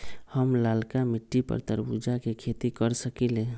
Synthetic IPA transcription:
həmlalkamiʈːipə̰ɾt̪əɾbud͡ʒakekʰet̪ikəɾsəkile

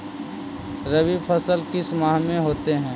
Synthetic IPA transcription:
ɾəbipʰəsəlkɪsmaːɦmẽɦoːt̪eɦɛ̃ː

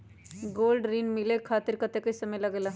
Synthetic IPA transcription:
ɡoːlɖɾiːnmɪlekʰaːt̪ɪɾkɐt̪ekɐisɐməjlɐɡlaː

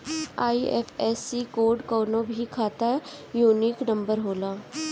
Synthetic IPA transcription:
aːiḛːpʰɛːsikoːɖkoːnobʱikʰaːt̪ajuːniknɐ̃mbəɾɦoːlaː

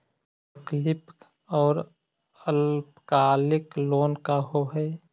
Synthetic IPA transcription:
əklɪp | ɔːɾ | əlpkaːlɪkloːnkaɦoɦɛː

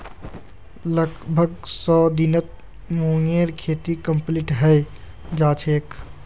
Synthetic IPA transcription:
ləɡbʱəɡsɔːd̪inət̪̚ | moːŋeːɾkʰeːt̪ikə̃mpliʈɦɛj | d͡ʒaːt͡ʃʰeːk

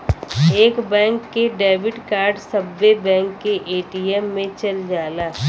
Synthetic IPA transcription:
eːkbɛ̃ːŋkːeɖeːʋɪɖkaːɾɖsɐbːebɛ̃ːŋkːeʔeːʈiɛmːẽt͡ʃɐld͡ʒaːlaː

